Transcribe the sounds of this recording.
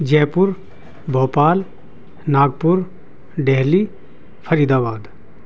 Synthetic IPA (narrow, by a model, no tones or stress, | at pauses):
d͡ʒɛːpʊɾ | bʱɔːpaːl | naːɡ̚pʊɾ | ɖeɦli | pʰəɾiːd̪aːbaːd̪